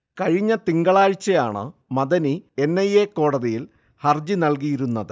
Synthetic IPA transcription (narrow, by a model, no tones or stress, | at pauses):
kɐɻiɲːɐt̪iŋɡɐɭaːɻt͡ɕːɐjaːɳɨ̰mɐðɐnie̞nːɐjekːo̞ːɽɐðijil | hɐrd͡ʑinɐlk̬ijiɾunːɐðɨ